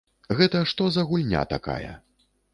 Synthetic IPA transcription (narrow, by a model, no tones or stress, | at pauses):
ɣɛt̪ɐʂt̪ɔzɐɣulʲnʲa̰t̪aka̰jɐ̰